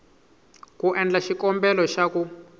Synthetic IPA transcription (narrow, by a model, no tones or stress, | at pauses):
kuʔɛnd͡ɮaʃikɔmbɛlɔʃaku